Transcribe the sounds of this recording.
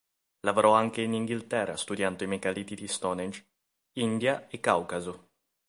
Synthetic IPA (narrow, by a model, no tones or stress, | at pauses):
lavoɾɔaŋkeiniŋɡilt̪ɛrːa̰st̪ud̪jand̪oimekalit̪id̪ist̪ɔned͡ʒ | ind̪jaekːawkazo